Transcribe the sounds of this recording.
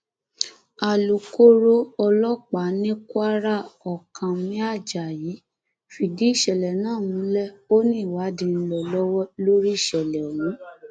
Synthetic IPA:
a˨lu˨ko˦ɾo˦ɔ˧lɔ˦k͡pa˨˦nĩ˦ku˦a˦ɾa˦˨ɔ˨kã˨mĩ˦a˦˨d͡ʒa˨ji˨˦ | fi˨di˨˦i˦˨ʃɛ˨lɛ˨nãː˦˨nũ˨˦lɛ˦o˦nĩ˦˨wa˨˦dĩ˧˨n̩˦lɔ˨lɔ˦wɔ˦lo˦ɾi˦˨ʃɛ˨lɛ˨wũ˨˦

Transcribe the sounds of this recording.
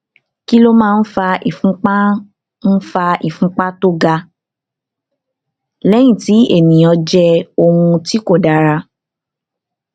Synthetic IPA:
ki˦lo˦mãː˦˧n̩˦fa˧i˨fũ˨˦k͡pa˦ | n̩˦fa˧i˨fũ˨˦k͡pa˦to˦ɡa˧ | lɛ˨˦j̃ĩ˦˨ti˨˦e˦˨nĩ˨jɔ̃˧d͡ʒɛ˧˦o˧hũ˧ti˦ko˦˨da˨˧ɾa˧

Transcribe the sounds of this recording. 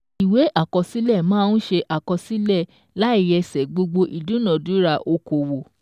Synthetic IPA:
i˨we˨˦ʔa˦˨kɔ˧si˨˦lɛ˦˨mãː˦n̩˦ʃe˧ʔa˨kɔ˧si˨˦lɛ˦˨ | la˨˦i˦˨jɛ˧sɛ˨ɡ͡bo˧ɡ͡bo˧ʔi˨dũ˨˦nã˨dũ˨˦ɾa˧ʔo˧ko˨wo˨

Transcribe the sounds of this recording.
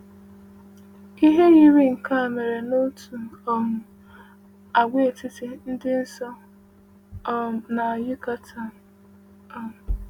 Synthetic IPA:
i˦ɦe˦ɣi˦ɾi˦ŋ̩˨ka˦˨me˨ɾe˨no˦tʰu˨ɔ˨mʊ˨ | a˨ɡʷe˦˨tɪ˦tɪ˨n̩˦dɪ˦n̩˦sɔ˦ | na˨a˨jɪ˦ka˦tʰa˨ | ɔ˦mʊ˨

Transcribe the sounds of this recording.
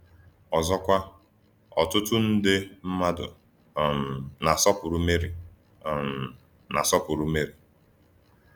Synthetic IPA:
ɔ˨zɔ˦kʷa˦ | ɔ̰˨tʊ˦tʊ˦n̩˦dɪ˦m̩˦ma˦dʊ̰˨ | m̩na˨sɔ˦pʊ˨ɾʊ˦me˦ɾi˨ | m̩˨ | na̰˨sɔ˦pʊ˨ɾu˦me˦ɾi˨

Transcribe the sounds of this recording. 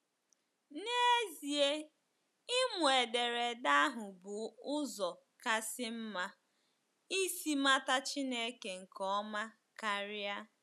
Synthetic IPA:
ne˦e˦zi˨e˦ | ɪ˦mʊ˨e˨de˨ɾe˨da˦ɦʊ˨bʊ˨ʊ˦zɔ˨ | ka˦sɪ˦m̩˦ma˦ | i˦si˦ma˦ta˦t͡ʃi˦ne˦ke˨ŋ̩˨kɔ˦ma˦ | ka˦ɾja˦

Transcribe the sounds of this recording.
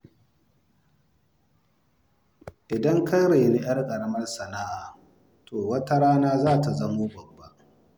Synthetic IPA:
ʔɪ˨dɐ˦ŋka˦jɾeː˨ni˦j̰ɐ˦rkʼɐ˨ɽɐ˦mɐ˦rsɐ˨na˦ʔa˨ | tʰoː˨wɐ˦ta˦ɽaː˦naː˦zaː˦ta˨zɐ˦moː˦bɐ˨bːa˦ʔ

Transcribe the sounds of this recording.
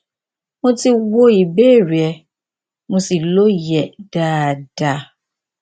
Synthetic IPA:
mo˧ti˧wo˧i˨be˦˨ɾi˨ɛ˧˨ | mõ˧si˨lo˦jɛ˨d̥aː˦˨d̥a˧˨

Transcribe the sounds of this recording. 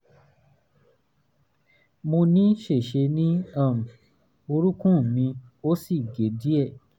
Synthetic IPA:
mõ˧nĩ˦ʃe˦˨ʃe˧nĩ˦ã˦˨m̩˨ | o˧ɾu˦kũ˦˨mĩ˧o˦si˦˨ɡe˨˦di˦ɛ˦˨

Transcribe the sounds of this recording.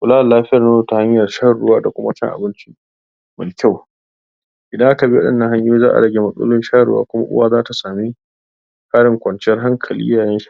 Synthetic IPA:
kʷʊ˨laː˦wa˨laː˦ɸɪ˦jɐ˨na˦zo˦˨ta˨ha˦ɲjɐ˨rʃa˦˨ɽʊ˦waː˦da˨kʷʊ˦ma̰˦t͡ʃɐ̰˦ŋʔa̰˨bɪ˦nt͡ʃi˦ | mɪ˨kʲa˦˨w | ʔɪ˨dɐ˦ŋʔa˦ta˨bi˦wɐ˦ɗɪ̰˦nːɐ̃˦ɦa˦ɲjuː˦zaː˦ʔa̰˨ɽɐ˨ɡʲe˦mɐ˦sʼṵː˦lʊ˦nʃa˦˨ɽʊ̰˦wa̰ː˦kʷʊ˦ma̰˦ʔʊ̰˦waː˦zaː˦ta˨saː˨mi˦ | kʰaː˦ɽɪ˨ŋkʷɐ˨nt͡ʃɛ˦rɦa˦ŋkʰɐ˨lḭː˦jaː˨jɛ˦ʃ

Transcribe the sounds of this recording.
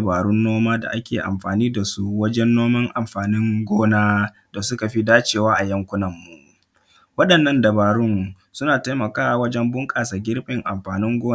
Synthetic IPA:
baː˨ɽʊ˦nːoː˦maː˦da̰˨ʔa˦kʲeː˨ʔa̰˨mɸaː˨niː˦da˨su˦wɐ˦d͡ʒɛ˦nːoː˦mɐ˦ŋʔa˨mɸaː˨nɪ˦ŋɡʷoː˦naː˦ | da˨sʊ˦ka˨ɸi˦daː˦t͡ʃeː˨waː˦ʔa˨jɐ˦ŋkʷʊ˦nɐ˨mːu˨ʔ | wɐ˦ɗɐ˨nːɐ˦ndɐ˨baː˨ɽʊ˦n | sʊ˦naː˨ta˦jmɐ˨kaː˦˨wɐ˦d͡ʒɛ˦mbʊ˦ŋkʼaː˨sa˨ɡʲɪ˦ɾɸʼɪ˨ŋʔa˨mɸaː˨nɪ˦ŋɡʷoː˦

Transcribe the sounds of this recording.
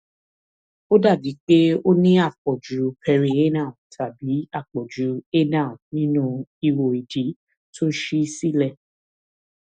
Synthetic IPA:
o˦da˦˨bi˨˦k͡pe˦o˦nĩ˦a˦˨k͡pɔ˨d͡ʒu˨˦pʰɛ˧ɾi˧e˦nã˦˨tʰa˨bi˨˦a˦˨k͡pɔ˨d͡ʒu˨˦e˦nã˦˨nĩ˦nũ˦i˧˨wo˨i˨d͡ʒi˨˦ | to˦ʃi˦si˦lɛ˦˨

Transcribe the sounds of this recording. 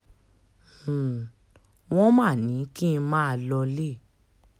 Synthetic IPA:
w̃ɔ̃˦mã˦˨nĩ˨˦ki˦n̩˧mãː˦a˧˨lɔ˧le˦˨

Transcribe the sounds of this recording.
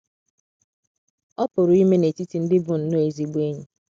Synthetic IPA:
ɔ˦pʊ˨ɾʊ˨i˦me˦ne˨ti˦ti˨˦n̩˦dɪ˦bʊ˦n̩˦no˦e˨zi˦ɡ͡bu˦e˦ɲu˨

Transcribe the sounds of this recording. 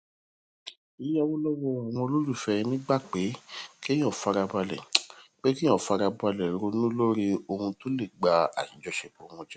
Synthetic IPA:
i˨˦ja˦wo˦lɔ˦wɔ˧a˨w̃ɔ̃˧o˧lo˦ɾu˦˨fɛ˧nĩ˦ɡ͡ba˦˨k͡pe˨˦kẽ˦ɔ̃˦˨fa˧ɾa˧ba˧lɛ̰˨k͡pe˦kĩ˦ɔ̃˦˨fa˧ɾa˧ba˧lɛ˨ɾo˧nũ˦lo˦ɾi˦o˧hũ˧to˦le˦˨ɡ͡ba˧a̰˨i˨d͡ʒɔ˨˧ʃe˨ko˨˦wɔ̃˧d͡ʒɛ˦

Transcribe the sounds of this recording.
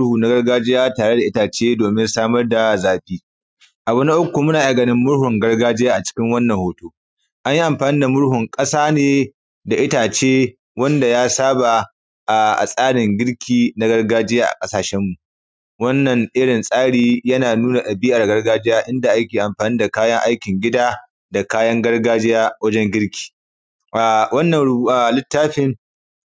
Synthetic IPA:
huː˨na˦ɡɐ˦ɽɡaː˦d͡ʒɪ˦jaː˦taː˨ɽe˦da˨ʔɪ˦taː˨t͡ʃeː˦doː˨mɪ˦nsaː˦mɐ˦rda˨zaː˨ɸiː˦ | ʔa˨bʊ˦na˦ʔʊ˦kʷːu˨mʊ˦naː˨ʔa˨ɡɐ˨nɪ˦mːʊ˦ɽhʊ˨ŋɡɐ˦rɡaː˦d͡ʒɪ˦jaː˦ʔa˨t͡ʃɪ̥˦kʲɪ˦ŋwɐ˦nːɐ˨ŋhoː˦toː˦ | ʔa˦ɲji˦ʔa˨mɸaː˨niː˦da˨mʊ˦ɽhʊ˨ŋkʼɐ˦saː˦neː˨ | da˨ʔɪ˦taː˨t͡ʃeː˦ | wɐ˦nda˨jaː˦saː˦ba˨ | ʔa˨ʔa̰˨sʼaː˦ɽɪ˨ŋɡʲɪ˦ɽkʲʰiː˦na˦ɡɐ˦rɡaː˦d͡ʒɪ˦jaː˦ʔa̰˨kʼɐ˦saː˨ʃɛ˦mːu˨ʔ | wɐ˦nːɐ˨ŋʔɪ˦ɽɪ˨nsʼaː˦ɽiː˦jɐ˦naː˨nuː˦na˨ɗʼɐ˨biː˦ʔa˨rɡɐ˦rɡaː˦d͡ʒɪ˦jaː˦ʔɪ˦nda˨ʔa˦kʲeː˨ʔa˨mɸaː˨niː˦da˨kaː˦jɐ˦ŋʔa˦jkʲɪ˨ŋɡʲɪ˦daː˦ | da˨kaː˦jɐ˦ŋɡɐ˦rɡaː˦d͡ʒɪ˦jaː˦wɐ˦d͡ʒɛ˦ŋɡʲɪ˦ɽkʲʰi̥ː˨ | ʔa˨wɐ˦nːɐ˨nɽʔa˨lɪ˦tːaː˦ɸɪ˦ŋ

